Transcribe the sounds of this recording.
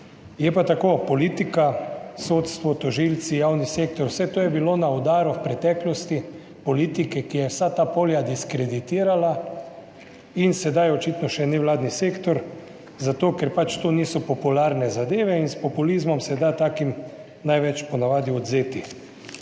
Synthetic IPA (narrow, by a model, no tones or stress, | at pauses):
jɛpat̪akopɔliːt̪ikasoːt̪st̪ʋɔt̪ɔʒilt̪sijawniseːk̚t̪ɔɾwsɛt̪oːjɛbilonaɔd̪aːɾuwpɾɛt̪ɛklɔst̪i | pɔliːt̪ikɛkijɛwsat̪aːpoːljad̪iskɾed̪it̪iːɾala | insɛd̪ajɔt͡ʃit̪nɔʃɛnɛwlaːd̪niseːkt̪ɔɾ | zat̪oːkɛɾpat͡ʃt̪oniːsɔpɔpulaɾnɛzad̪eːʋɛinspɔpulizmɔmsɛd̪at̪aːkim | najʋɛt͡ʃpɔnaʋaːd̪iɔd̪zeːt̪i